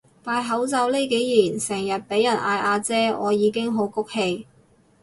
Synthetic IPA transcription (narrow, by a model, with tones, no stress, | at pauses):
t̪aː˧jɦɐ˨˥wt͡sɐ˧wle˥jke˨˥jjiː˨˩nsɛː˨˩ŋjɐ˨t̚pe˨˥jɐ˨˩nʔaː˧jʔaː˧t͡sɛː˥ɔː˨˧jiː˨˧kɪ˥ŋɦo˨˥wkʊ˥k̚he˧j